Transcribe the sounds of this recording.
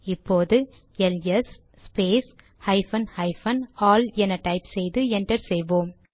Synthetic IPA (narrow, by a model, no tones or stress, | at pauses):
ɪpːoːðɯ | ɛlɛsː | peːs | hɐɪfɐnhɐɪfɐnaːlɛnɐʈɐɪpsɛjðɯɛnʈɐɾsɛjʋoːm